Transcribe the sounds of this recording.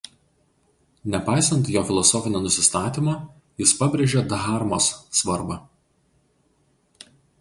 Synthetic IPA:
nʲɛpɑɪsɐnʲt̪joːfʲɪlˠɔsɔfʲɪnʲenʊsʲɪst̪ɑːt̪ʲimɑː | jɪspɐbʲɾʲeʒʲeːd̪ɣɑɾmoːsːʋɐɾbɐ

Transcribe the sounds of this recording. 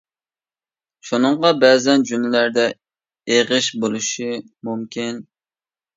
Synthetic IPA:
ʃunɨɴʁɑbɛːzɛnd͡ʒumɪlæɾd̪ɛ | eʁɨʃbolˠuʃi | mumkʲin

